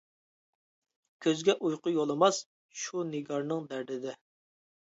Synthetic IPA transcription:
kʲʰøzɡʲɛʔujqʊjolˠɨmɑs | ʃunɪɡɑɾnɨŋd̪æɾd̪ɪd̪ɛ

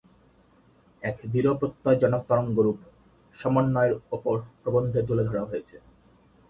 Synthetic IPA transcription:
ɛkd̪iɾopɾot̪ːad͡ʑɔnok̚t̪ɔɾoŋɡoɾup | ʃɔmonːɔeɾopoɾpɾobond̪ʱed̪uled̪ʱɔɽaɦojet͡ɕʰe

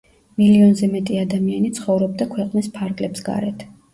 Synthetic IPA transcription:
miliɔnzɛmɛt̪ʼiad̪amianit̪sʰχɔvɾɔb̚d̪akʰwɛqʼnispʰaɾɡlɛpsɡa̰ɾɛt̪ʰ

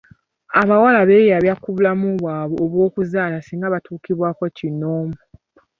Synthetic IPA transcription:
aβawalaβejaβjakuβulamuβwaːβoːβwo̞ːkuzaːlasiːŋɡaβatʰuːkiβwaːko̞cinoːmu

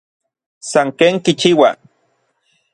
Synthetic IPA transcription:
saŋkeːŋkit͡ʃiwa̰

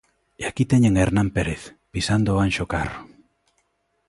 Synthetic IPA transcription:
eakit̪eɲeŋeɾnãmpeɾeθ | pisand̪oanʃokaro

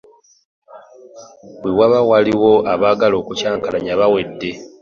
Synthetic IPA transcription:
bwewaβawaliwo̞aβaːɡalo̞ːkucaːŋkalaɲaβawe̞dːe̞

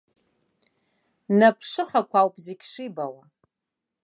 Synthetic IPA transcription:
napʰʂɨχakʷʰawpʼzekʲʰʂibawa

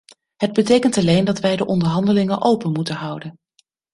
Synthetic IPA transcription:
ɦəd̚bətejkəntɑlejndɑtʋɛjdəʔɔndəɹɦɑndəlɪŋənʔowpənmutənɦɑwdən

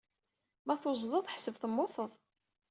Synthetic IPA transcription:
mæθʊzˤðˤəðˤħsəvθəmːʊθəðˤ

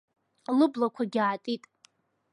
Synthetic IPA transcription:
lɨblakʷʰaɡʲaːtʼitʼ

